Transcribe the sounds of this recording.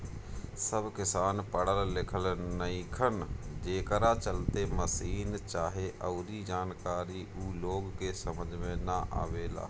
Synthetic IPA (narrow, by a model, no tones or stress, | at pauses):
səbkɪsaːnpəɽəllɪkʰəlnəĩkʰənd͡ʒeːkəɾat͡ʃəlt̪eməsiːnt͡ʃaːɦeʔəʊɾiːd͡ʒaːnkaːɾiʔuːloːɡkesəməd͡ʒmẽnaʔa̰ːʋeːla̰ː